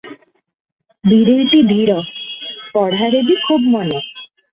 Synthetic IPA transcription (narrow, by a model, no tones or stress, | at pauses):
b̪iɾojʈ̪id̪ʱiɾɔpɔɽ̤ʱaɾeb̪ikʰubmɔne